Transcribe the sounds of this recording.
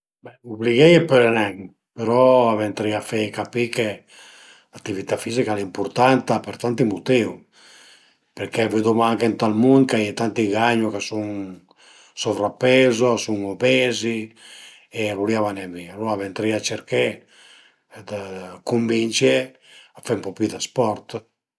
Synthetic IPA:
bɛubliɣɛjepeɾenɛŋ | peɾɔavent̪ɾiafekapike | lat̪ːivit̪afizikalimpuɾt̪ant̪apeɾt̪ant̪imut̪iu | peɾkeved̪umaŋkent̪almund̪kajet̪ant̪iɡaɲukasuŋ | sovɾapːɛzoasuŋobɛzi | eavuliavanɛviaɾuavɛnt̪ɾiat͡ʃeɾkɛ | d̪kumbint͡ʃe | afempɔpid̪aspɔɾt̪

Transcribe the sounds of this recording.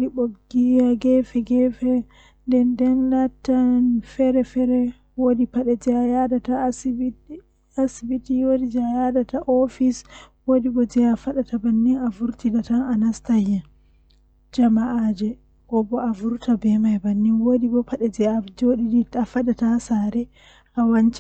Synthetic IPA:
diɓoɡijaɡɛfɛɡɛfɛ | ndɛndɛnlatːanfɛɾɛfɛɾɛ | wodipaɗɛd͡ʒɛjadata | asibitiwodid͡ʒajadataʔofiswodibɔd͡ʒɛafaɗatabanːinavuɾtidatananastajɛ | d͡ʒamaʔad͡ʒɛ | ɡɔbɔʔavuɾtabɛmajbanːinwodibɔpaɗɛd͡ʒɛad͡ʒoɗidiafaɗatasaɾɛ | ʔawant͡ʃi

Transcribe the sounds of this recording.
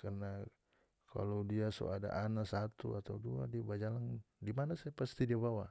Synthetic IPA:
karna | ka̰lowdiasɔ̰ada̰ʔanasat̪uat̪audua̰diabad͡ʒalaŋ | dimanasaapast̪idiabawa

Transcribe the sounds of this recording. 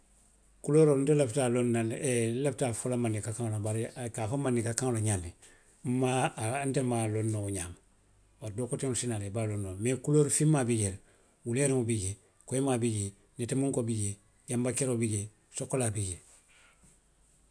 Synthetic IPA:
kuloːɾontelaftalonːalelaftafolamanikakaŋlobaɾkafamanikakãŋloɲanːe | m̩mantemalonːouɲaːm | baɾdoːkoteŋlsinaːlebalonːomekuloːɾfimːabiɟel | wuleɾiŋubiɟe | koemabiɟe | netemuŋkobiɟe | jambakeɾobiɟe | sokolaːbiɟe

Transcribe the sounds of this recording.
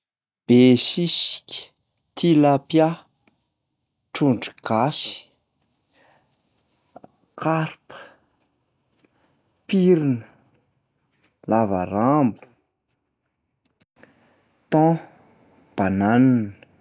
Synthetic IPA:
b̥esisi̥kʲə̥ | t̪ʰilapja | ʈ͡ʂuɳɖ͡ʐuɡ̥asi̥ | kʰaɾpə̥ | piɾinə̥ | lava̰ɾambu̥ | t̪ɔ̃ | b̥ananinə

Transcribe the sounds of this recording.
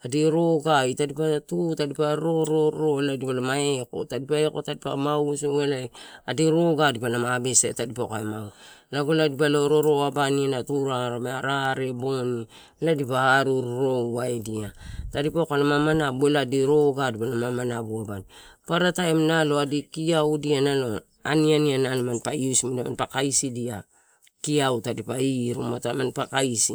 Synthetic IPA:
adeɾoɡaitadipaatutadipaɾoɾoɾoladipalamaeko̰tadipaekotadipa̰mawsoŋelaadeɾoɡadipalamabesḛtadipakaemaulaɡoladipalaoɾoɾoabaninatuɾaɾameaɾaɾeboni | ladipaaɾuɾɾo̞aediatadipokalamamanabueladiɾo̞ɡadipalamamanabuabanipaɾataemnalo̞adikiawdianalo̞ | anianiananmanpaiusmidama̰npakaisidia | kiawtadipaiɾṵmatamanpakaisḭ

